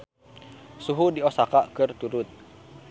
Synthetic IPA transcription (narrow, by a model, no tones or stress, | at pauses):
suɦudiosakakɨrt̪uɾʊt̪̚